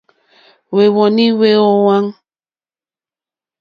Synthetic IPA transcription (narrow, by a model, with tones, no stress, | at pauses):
we˨wɔ˨ni˦we˦ɔ˦wa˦ŋ